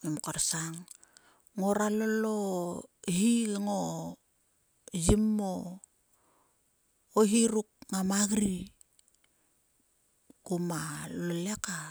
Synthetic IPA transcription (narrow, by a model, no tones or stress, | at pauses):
imkaɾsaŋ | ŋo̞ɾalolo | ɦiŋo | zimːo | oɦiɾuk̚ŋamaɡɾi | kumaloleka